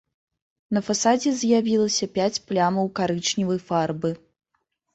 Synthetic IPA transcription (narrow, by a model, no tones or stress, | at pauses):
nɐfasad͡zʲɛzjavʲilˠɐsʲɐpʲat͡sʲplʲamɐwkaɾɨt͡ʂnʲivɐjfarbɨ